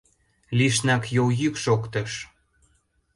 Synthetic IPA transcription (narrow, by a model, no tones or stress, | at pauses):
liʃnɑkjojykʃokt̪ɤ̆ʃ